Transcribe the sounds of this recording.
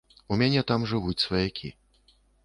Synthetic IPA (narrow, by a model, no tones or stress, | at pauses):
umʲanʲɛt̪amʐɨvut͡sʲsvɐjakʲʰḭ